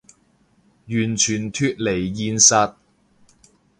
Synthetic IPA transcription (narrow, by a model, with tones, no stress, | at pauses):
jyː˨˩nt͡ʃʰyː˨˩nt̪ʰyː˧t̚le˨˩jːiː˧nsɐ˧t̚